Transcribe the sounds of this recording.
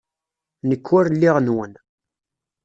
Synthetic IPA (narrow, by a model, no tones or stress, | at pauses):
nəkʰːʊɾlːiʁnwən